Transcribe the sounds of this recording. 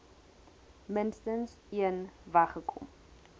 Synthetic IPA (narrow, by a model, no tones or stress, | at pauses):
mənstəns | iənvɐχəkʰɔ̰m